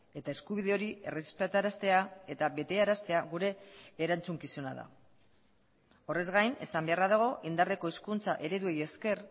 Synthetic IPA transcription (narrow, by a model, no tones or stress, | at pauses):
e̞t̪ae̞skuβ̞iðe̞o̞ɾie̞resi̥spet̪aɾast̪e̞ae̞t̪aβe̞t̪e̞aɾast̪e̞aɣuɾe̞ːɾant͡suŋkisona̰ða̰ | o̞re̞zɣajne̞̰sambe̞araðaɣ̞o̞ʔind̪are̞ko̞iskunt͡saʔe̞ɾe̞ðue̞je̞ske̞r